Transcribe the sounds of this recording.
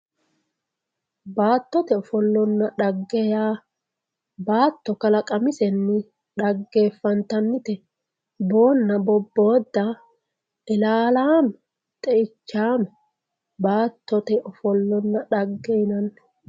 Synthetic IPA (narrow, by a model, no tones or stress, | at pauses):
baːt̪ːɔt̪ɛɔfɔlːɔnːɐᶑɐɡːɛjaː | baːt̪ːɔkɐlɐkʼɐmɪsɛnːɪ | ɗɐɡːeːfːɐnt̪ɐnːɪt̪ɛ | bo̞ːnːɐbɔbːo̞ːd̪ːɐ | ɛlaːlaːmɛ | t̪ʼɛɪt͡ʃːaːmɛ | baːt̪ʰːɔt̪ɛʔɔfɔlːɔnːɐᶑɐɡːɛjɪnɐnː